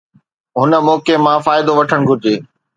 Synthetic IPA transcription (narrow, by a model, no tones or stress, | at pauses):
ɦʊnə̆mɔːkemãfaːɪd̪oʋɐʈʰəɽ̃ɡʱʊɾɪd͡ʑeː